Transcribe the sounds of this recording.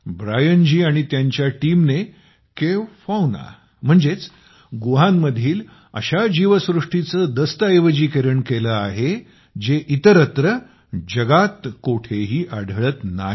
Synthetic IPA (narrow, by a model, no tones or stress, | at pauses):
bɾajənd͡ʑiːaɽ̃it̪jaɲt͡ɕjaʈimne | keʋfawna̰ | m̤əɳd͡zet͡s | ɡuɦanːəd̪ʱiːl | ə̰ɕad͡ʑiʋəsɾuʂʈit͡səd̪əst̪əejʋəd͡ʑiːkeɾəɳkeləaɦe | d͡ʑeʔit̪əɾət̪ɾə | d͡ʑəɡat̪koʈʰeɦiːʔaɽ̤ʱəɭət̪naɦ